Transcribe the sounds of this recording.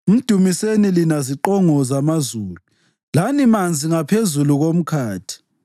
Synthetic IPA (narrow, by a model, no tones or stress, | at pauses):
um̩d̥ʱumisenilinaziǃɔŋɔzamazuːlu | lanimand͡zʱiŋapʰezuluɣom̩kʰaːtʰi̥